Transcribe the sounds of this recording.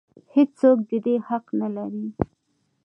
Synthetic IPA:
hed͡ʒsok̚d̪əd̪ehaqnalaɾi

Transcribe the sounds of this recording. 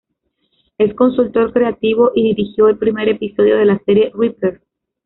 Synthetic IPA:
e̞sko̞nsult̪o̞ɾkɾe̞at̪iβo̞ʔiðiɾixjo̞e̞lpɾime̞ɾe̞piso̞ð̞jo̞ð̞e̞lase̞ɾje̞ripeɾ

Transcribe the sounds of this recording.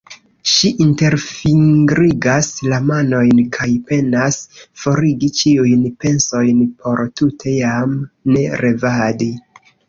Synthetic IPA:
ʃiʔinte̞ɾfiŋɡɾiɡaslamano̞jnkʰajpe̞nasfo̞ɾiɡit͡ʃiujnpe̞nso̞jnpʰo̞ɾtutʰe̞jamne̞ɾe̞vadi

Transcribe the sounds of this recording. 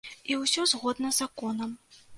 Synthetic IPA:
iwsʲɔzɣɔd̪nɐzakɔnɐm

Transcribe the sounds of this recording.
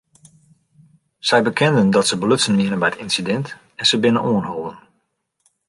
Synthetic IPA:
z̥ɛjbəkʰɛndəndɔtsəbəløsənmiənənbɛjtɪnsidɛnt | ɛnsəbɪnənʔoənɦolˠdən

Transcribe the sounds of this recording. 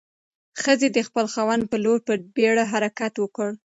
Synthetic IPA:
xəzed̪əxpəlxawand̪̚pəloɾpəbeɽaɦaɾakat̪wəkəɽ

